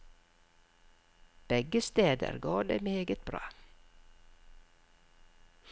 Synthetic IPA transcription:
b̥ɛɡəst̪eːd̪ə̰ɾɡɑːd̪ḛːmeːɡət̪̚b̥ɾɑ̰ː

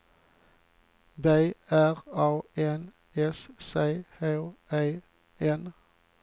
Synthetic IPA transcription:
beɪæʁɑːeːn | ɛsseːheʊæɪ | eːn

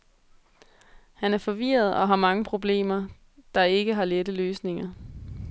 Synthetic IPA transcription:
hænæɐfɒ̽ʋḭːɐð̞̩ˠɒ̽ɦɑ̈mɑ̈ŋəpʰʁo̝b̥le̝̰ːmɐ | d̥ɑ̈e̝ɡ̥əɦɑ̈ledəløːsne̝ŋɐ

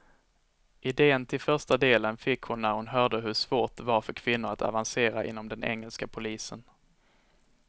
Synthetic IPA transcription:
ʔɪd̪eːənt̪ʰɪlfœʂʈad̪eːlənfɪkːhʊnːæɾhʊnɦœːɖəɦɵʂv̥oːʈ̚vaɾfœɾkʰv̥ɪnːʊɾat̪ʰa̰vanseːɾaʔɪ̰nːɔmd̪ɛnʔɛ̰ŋːɛlskapʰʊliːsən

